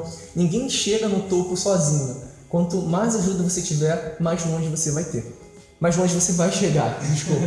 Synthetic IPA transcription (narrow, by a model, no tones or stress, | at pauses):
nĩɡẽj̃ʃeɡɐnʊt̪opʊsɔzĩɲʊ | kwɐ̃nt̪ʊmajzaʒud̪ɐvoset͡ʃivɛɾmajzõʒɪvosevajt̪e | majzõd͡ʒɪvosevajʃeɡa̰d͡ʒɪʃkop